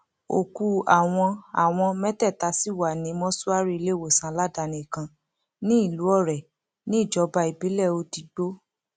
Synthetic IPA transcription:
o̰˨ku˧a˨w̃ɔ̃˧a˨w̃ɔ̃˧mɛ˦tɛ˦˨ta˧˦si˦˨wa˨nĩ˨˦mɔ̃˦su˦a˦ɾi˦i˧le˦˨wo˨sã˨˦la˦˨da˧˨nĩ˨kã˧ | nĩ˦i˦˨lu˨˦ɔ˦˨ɾɛ˨ | nĩ˦i˦˨d͡ʒɔ˨˦ba˧i˨bi˨˦lɛ˦˨o˧ti˨ɡ͡bo˦

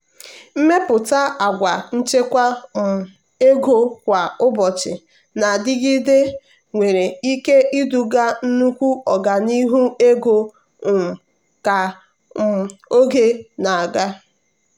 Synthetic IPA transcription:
m̩˦me˦pʊ˨ta˦a˨ɡʷa˨n̩˦t͡ʃe˦kʷa˦˨m˨ | e˦ɡo˦kʷa˨ʊ˦bɔ˨t͡ʃɪ˨ | na˨dɪ˦ɡɪ˦de˦ | ŋʷe˨ɾe˨i˦ke˦ʔi˦du˨ɡa˦n̩˦nu˦kʷu˦ɔ˨ɡa˨ni˦ɦu˦e˦ɡo˦˨ | m̩˨ | ka˨ | o˦ɡe˦na˨a˨ɡa˦

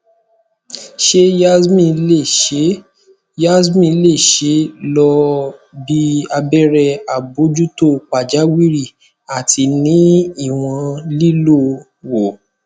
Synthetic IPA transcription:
ʃe˦ja˦mĩ˦˧˨le˦˨e˨˦ | ja˦smĩ˧˨le˦˨ʃe˨˦lɔ˧bi˧a˧bɛ˦ɾɛ˧a˨bo˨˦d͡ʒu˦to˦˨k͡pa˨d͡ʒa˨˦wi˦ɾi˦˨ | a˨tʰi˧nĩ˨˦i˦˨w̃ɔ̃˧li˦lo˦˨ | wo˨

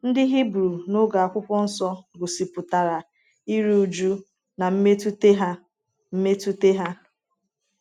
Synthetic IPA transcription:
n̩˦dɪ˦ɦi˦bɾu˨no˦ɡa˨a˨kʷʊ˦kʷɔ˦n̩˦sɔ˦ɡʊ˨si˨pʊ˨ta˨ɾa˨ | i˦ɾu˦u˨d͡ʒu˦ | na˨m̩˦me˦tu˦te˦ɦa˦ | m̩˦me˦tu˦te˦ɦa˦

